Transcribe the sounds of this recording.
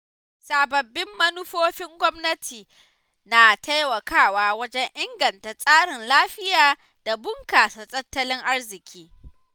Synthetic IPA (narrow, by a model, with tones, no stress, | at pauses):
saː˨bɐ˨bːɪ˦mːɐ˦nʊ˦ɸoː˦ɸɪ˦ŋɡʷɔ˦mnɐ˦tʰiː˨ | naː˨tʰa˦jwɐ˨kaː˦˨waː˦wɐ˦d͡ʒɛ˦ɲʔɪ˦ŋɡɐ˨nta˨sʼaː˦ɽɪ˨nlaː˦ɸɪ˦jaː˨ | d̥a˨bʊ˦ŋkaː˨sa˨sʼɐ˦tːɐ˦lɪ˦ŋʔa˦ɽzɪ˨kʲʰiː˦